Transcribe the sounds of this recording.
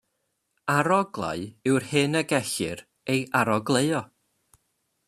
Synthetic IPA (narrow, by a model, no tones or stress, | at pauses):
aɾɔɡlˠa̰ɨɪwrhɨnəɡɛɬɨ̰ɾ | ejʔaɾɔɡlˠeɨɔ